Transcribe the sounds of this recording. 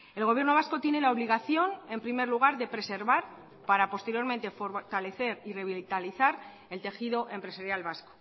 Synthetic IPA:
e̞lɣ̞o̞βje̞ɾno̞β̞asko̞t̪je̞ne̞laoβ̞liɣ̞aθjo̞ne̞mpɾime̞ɾluɣ̞aɾðe̞pɾe̞se̞ɾβaɾ | paɾapo̞st̪eɾjo̞ɾmẽ̞nt̪e̞fo̞ɾt̪ale̞θe̞ɾire̞βilt̪aliθaɾ | e̞lt̪e̞xiðo̞ʔe̞mpɾe̞saɾjalβasko

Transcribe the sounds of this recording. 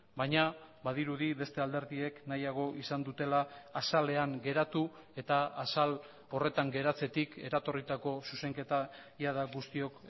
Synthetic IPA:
bajɲabaðiɾuðiβe̞st̪e̞ald̪e̞ɾðie̞knajaɣ̞o̞ʔisand̪ut̪e̞laːsale̞aŋɡe̞ɾat̪ue̞t̪aːsal | o̞re̞t̪aŋɡe̞ɾat͡se̞t̪ike̞ɾat̪o̞rit̪ako̞suse̞ŋke̞t̪ajaðaɡust̪io̞k

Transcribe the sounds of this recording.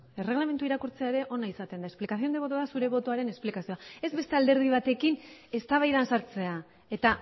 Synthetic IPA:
e̞re̞ɣlame̞nt̪uiɾakuɾt͡seaeɾe̞ʔo̞naisat̪e̞nd̪aesplikasio̞neβo̞t̪oðasuɾe̞β̞o̞t̪oaɾe̞ne̞splikasio̞ae̞zβe̞st̪e̞ald̪e̞ɾð̞iβ̞at̪e̞kine̞st̪aβajðansaɾt͡se̞a | e̞t̪a

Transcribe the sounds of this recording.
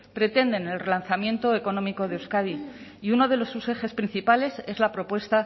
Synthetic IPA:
pɾe̞t̪e̞nd̪e̞ne̞lre̞lanθamje̞nt̪o̞eko̞nõ̞miko̞ð̞eewskaðiiuno̞ð̞e̞lo̞sːuse̞xe̞spɾinθipale̞se̞zlapɾo̞pwe̞st̪a

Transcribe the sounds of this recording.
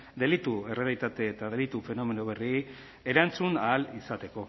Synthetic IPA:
d̪e̞lit̪ue̞re̞alit̪at̪e̞ːt̪að̞e̞lit̪ufe̞no̞me̞noβ̞e̞ri | e̞ɾant͡sunaːlisat̪e̞ko̞

